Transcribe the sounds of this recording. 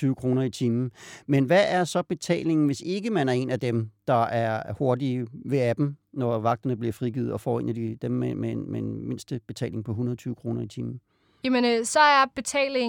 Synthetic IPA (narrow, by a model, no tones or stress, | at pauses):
yːʊəkʰʁo̝ːnɐit͡sʰiːmn̩menʋæʔæɐsɒ̽b̥e̝t͡sʰɛ̰ːle̝ŋn̩ʋe̝se̝ɡ̥əmænæɐe̝ːnæd̥emd̥ɑ̈æɐho̝ɐdiʋe̝æb̥m̩nɒʋɑ̈ɡ̥̚d̥ɐnəb̥liɐfʁiɡ̥ḭːð̩ˠɒ̽fɒ̰ːe̝̰ːnæd̥id̥emːemenmeenme̝n̰sd̥əb̥e̝t͡sʰɛ̰ːle̝ŋpʰɒ̽ɦunɐðˠt͡sʰyːʊəkʰʁo̝ːnɐit͡sʰiːmn̩ | jæmənsɒ̽æɐb̥e̝t͡sʰɛ̰ːle